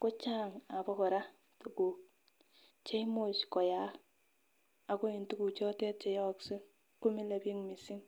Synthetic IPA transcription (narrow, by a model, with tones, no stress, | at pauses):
kʊ˦t͡ʃa˦ŋa˨bɔ˦kɔ˨ɾa˦ | to˨ku˨k̚ | t͡ʃe˦mo˨t͡ʃkɔ˨ja˦ | a˨ko˦i˨ntu˦ku˨t͡ʃɔ˦tɛ˦t̚t͡ʃɛ˨jɔ˦kse˦ | ku˦mi˦le˨bi˦ŋmi˨si˦ŋ